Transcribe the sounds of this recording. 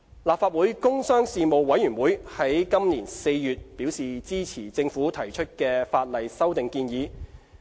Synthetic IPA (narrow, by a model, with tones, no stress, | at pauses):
laː˨p̚faː˧t̚wuː˨˥jkʊ˥ŋsœː˥ŋsiː˨mo˨wːɐ˨˥jyː˨˩nwuː˨˥jhɐ˨˥jkɐ˥mniː˨˩nse˧jːyː˨t̚piː˨˥wsiː˨t͡siː˥t͡sʰiː˨˩t͡sɪ˧ŋfuː˨˥t̪ʰɐ˨˩jt͡ʃʰɵ˥t̚kɛː˧faː˧t̚lɐ˨jsɐ˥wt̪ɪ˨ŋkiː˧njiː˨˧